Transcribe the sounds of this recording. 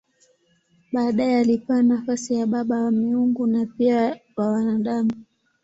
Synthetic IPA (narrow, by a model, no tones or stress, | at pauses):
ɓaːɗaɛalipaːnafasijaɓaɓawamiuŋɡunapiawawanaɗamu